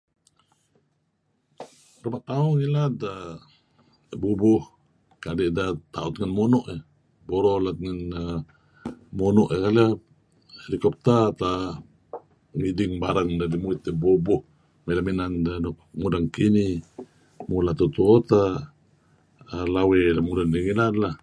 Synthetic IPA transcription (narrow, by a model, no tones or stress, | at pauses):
rumaʔt̪auŋilat̪a | bubuh | kadeʔdat̪aut̪̚ŋanmonɔʔe | boɾolat̪̚ŋan | monɔʔekala | helikɔp̚t̪at̪a | ŋidiŋbaɾaŋdadimuit̪ebubuh | melaminandanokmudaŋkini | mulat̪ut̪uot̪a | lawelamudaniŋilad̪la